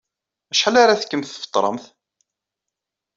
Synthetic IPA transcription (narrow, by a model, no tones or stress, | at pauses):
æʃħalaɾaθkːəmθə̥ft̪ˤːɾˤə̰mθ